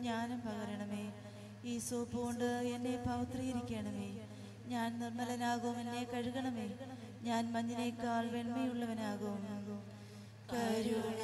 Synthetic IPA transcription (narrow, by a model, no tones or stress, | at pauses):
ɲaːnɐmpɐɣɐɾɐɳɐmeː | iːsoːpːuoɳɖɨenːe̞pɐʋt̪rijiɾikʲːeːɳɐmeː | ɲaːnnirmɐlɐnaːɣɐʋumenːe̞kɐɻuɣɐɳɐmeː | ɲaːnmɐɲːinekaːɭʋe̞ɳmɐjuɭːɐʋɐnaːɣɐʋum | kaːɾu